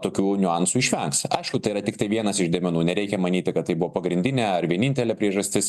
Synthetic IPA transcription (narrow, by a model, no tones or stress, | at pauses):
t̪oːkʲuːnʲʊɑnsuːɪʃʲʋʲɛŋksɐɪʃkʊt̪ɐɪiɾɐt̪ʲɪkt̪ɐɪʋʲiɛnɐsɪʒd̪ʲɛmʲɛnuːnʲɛɾʲɛɪkʲɛmɐnʲiːt̪ʲɪkɐt̪t̪ːɐɪbʊʋoːpɐɡɾʲɪnʲd̪ʲɪnʲɛɐɾʋʲiɛnʲɪnʲt̪ʲɛlʲɛːpʲɾʲiɛʒɐsʲt̪ʲɪs